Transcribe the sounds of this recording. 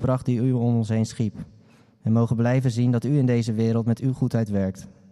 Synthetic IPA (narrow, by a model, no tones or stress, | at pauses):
prɑχt̚diyɔmɔnsɦejnsχip | ɛnmowχənblɛjvənzindɑtyɪndejzəʋɪːɾəlˠtmɛtyχutœɥtʋɛɹk̚t